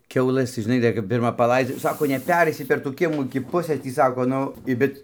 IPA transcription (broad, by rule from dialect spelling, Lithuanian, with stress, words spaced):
ˈkʲɛʊlˠɘs tɐɪ ˈʒʲɪnɐɪ ˈdɐr kɐp ˈpʲɪrmɐ pɐˈlˠɐɪd͡zʲɛ jɛʊ ˈsɑːkoː nʲɛˈpʲæːrʲɛɪsʲɪ pʲɛr tuː ˈkʲiɛmuː ɪkʲɪ ˈpʊsɘs ˈtʲiː ˈsɑːkoː ˈnʊ ɪ ˈbʲɛt